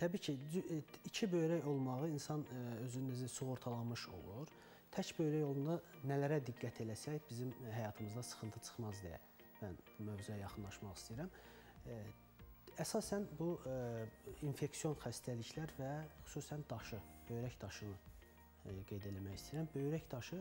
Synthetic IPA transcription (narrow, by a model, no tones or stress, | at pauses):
t̪ʰæbiːcʰiyit͡ʃʰibø̞jɾæjo̞lˠmɑʁɯinsɑnøzynnæzisuɣo̞ɾt̪ʰɑlˠɑmɯʃo̰lˠuɾ | t̪ʰæcbø̞jɾæjo̞lˠund̪ɑnælæɾæd̪iɡːæt̪ʰe̞læsæjbizimɦæjɑːt̪ʰɯmɯzd̪ɑsɯ̥χɯnt̪ʰɯt͡ʃʰɯ̥χmɑzd̪ejæ̰ | mænumøvzyjæjɑχɯnlˠɑʃmɑχi̥st̪iiɾæm | æsɑsænbu | infe̞ksijo̞nxæst̪ʰæliçlæɾvæχu̥suːsænd̪ɑʃɯb̥ø̞jɾæçd̪ɑʃɯnɯ | ɡe̞jd̪e̞læmæçist̪iɾæmbø̞jɾæçd̪ɑʃɯ